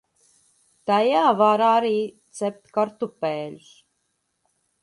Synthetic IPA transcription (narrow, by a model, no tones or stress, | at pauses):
t̪ajaːvaɾaɾiːt̪sɛp̚t̪ʲkaɾt̪upɛːlʲus